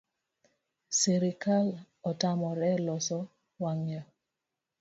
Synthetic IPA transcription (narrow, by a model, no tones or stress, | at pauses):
seɾikal | ɔtamɔɾɛlɔsɔ | waŋja